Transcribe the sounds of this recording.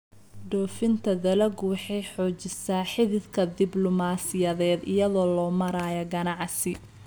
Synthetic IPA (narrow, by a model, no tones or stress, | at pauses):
ɖ̪ɔːfɪnt̪ʰɐðɐlɐɡwɑħɛjħɔːt͡ʃɪsaːħɪðɪðkʰɐd̪ɪblɔmaːsɪjɐðɛːd̪ɪjɐðɔːlɔːmɐɾaːjɐɡɐnɑʕsɪ